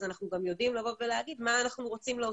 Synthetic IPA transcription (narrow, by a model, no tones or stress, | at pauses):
zanaχnuɡamjo̞dimlavo̞vveleaɡidmaːnaχnuʁo̞t͡simleo